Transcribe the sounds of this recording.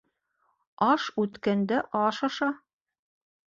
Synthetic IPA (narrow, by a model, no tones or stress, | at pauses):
ɑʃʉt̪kænd̪æʔɑʃɑʃɑ